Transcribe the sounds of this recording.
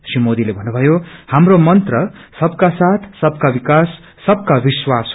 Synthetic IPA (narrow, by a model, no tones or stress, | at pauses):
srimod̪ilebʱʌnːubʱʌjohamromʌnt̪rʌsʌbkasat̪ʰsʌbkabikasː | ʌb̚kabiswas